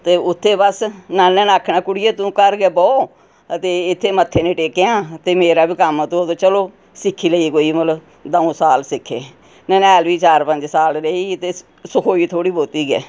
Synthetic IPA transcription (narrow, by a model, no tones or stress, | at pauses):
t̪eːʊt̪ʰːeːbəsnaːɛ̃ːnaːkʰːnaːkʊɽɪjeːt̪ũːkəɾɡɛːbɔː | ət̪eːɪt̪ʰːeːmət̪ʰːeːnẽːʈeːkeãːt̪eːmeːɾaːbiːkəmt̪ũd̪õːt͡ʃəloː | sɪkʰːiːləiːkoːiːmələ | d̪əõːsaːlsɪkʰːḛː | nɛ̃ːnɛːlʋiːt͡ʃaːɾpəɲd͡ʒsaːlɾəiːt̪eː | sʊkʰoːiːt̪ʰoːɽiːboːt̪iːɡɛ̰ː